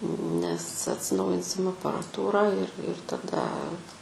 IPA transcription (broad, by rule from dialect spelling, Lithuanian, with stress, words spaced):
nʲɛs ɐtʲsʲɪˈnɐʊjɪnʲsʲɪm ɐpɐrɐˈtuːrɑː ɪr ɪr tɐˈdɐ